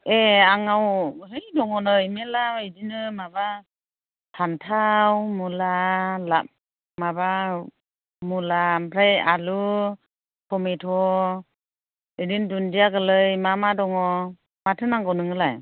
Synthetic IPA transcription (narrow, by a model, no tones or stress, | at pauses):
eaŋawɦɯjdɔŋɔnɯjmelamedinɯmaba | tʰantʰawmulala | maba | mulampʰɾajalu | kʰɔmetʰɔ | edindundijaɡɯlɯjmamadɔŋɔ | matʰɯnaŋɡawnɯŋɯlaj